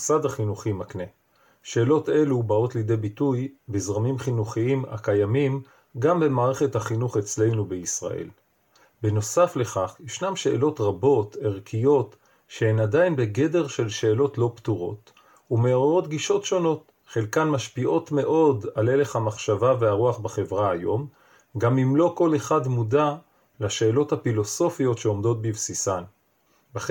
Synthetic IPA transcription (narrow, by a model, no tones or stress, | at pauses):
sadaχinuχimakne̞ | ʃe̞ːlo̞te̞lubao̞tlijd̪e̞jbitujbizʁamimχinuχiima̰kajamim | ɡambe̞maːʁeχethaχinuχe̞t͡sle̞jnubeisʁa̰ʔe̞̰l | beno̞safle̞χaχjeʃnamʃe̞ʔːlo̞tʁabo̞teʁkʰijo̞t | ʃe̞enadainbe̞ɡe̞de̞ʁʃe̞lʃe̞ːlo̞tlo̞ptuʁo̞̰t | ume̞oʁoʁo̞t̪ɡiʃo̞tʃo̞no̞t̪ | χelkanmaʃpiʔo̞tme̞ʔo̞dale̞le̞χhamaχʃavaveaʁuaχbaχe̞vʁaajo̞m | ɡamimlo̞ko̞le̞χadmuda | laʃe̞ːlo̞thafilo̞so̞fijo̞tʃeo̞mdo̞t̪̚bivsisan | baχ